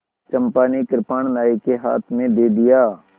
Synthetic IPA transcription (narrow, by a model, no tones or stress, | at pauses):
t͡ʃəmpaːnikɪɾpaɳnaːikeɦa̰ːt̪ʰmẽd̪eːd̪ɪjaː